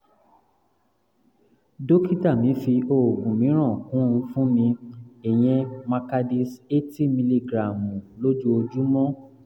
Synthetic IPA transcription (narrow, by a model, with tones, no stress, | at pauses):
do˦ki˦ta˦˨mĩ˨˦fi˧o˨ɡũ˨mĩ˨˦ɾ̃ã˦˨kũ˨˦ũ˧fũ˦mĩ˧e˨j̃ɛ̃˧mã˧ka˧di˦se˦ti˦mĩ˧li˦ɡɾa˨mũ˨lo˦d͡ʒu˦o˧d͡ʒu˦mɔ̃˦